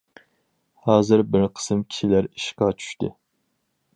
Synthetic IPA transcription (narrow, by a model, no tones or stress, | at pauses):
hɑːzɨɾbɪɾqʰə̥sɨmkʲʰi̥ʃilæɾiʃqɑt͡ʃʰy̥ʃt̪ɪ̰